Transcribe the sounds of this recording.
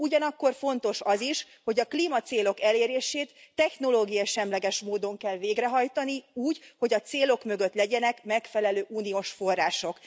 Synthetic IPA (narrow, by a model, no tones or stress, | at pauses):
uɟɒnɒkːo̞rfo̞nt̪o̞ʃɒziʃ | ho̞ɟɒkliːmɒt̪seːlo̞kɛleːɾeːʃeːt̪ːɛxno̞loːɡijɒʃɛmlɛɡɛʃmoːd̪o̞ŋkɛlveːɡrɛɦɒjt̪ɒniuːɟho̞ɟɒt̪seːlo̞kmø̞ɡøt̪lɛɟɛnɛkmɛkfɛlɛløːʔuːnioʃfo̞rːaːʃo̞k